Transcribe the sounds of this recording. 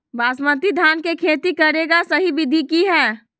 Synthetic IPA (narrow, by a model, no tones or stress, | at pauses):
baːsmət̪id̪ʱaːnkekʰeːt̪ikəɾeɡasəɦibɪd̪ʱikiɦɛː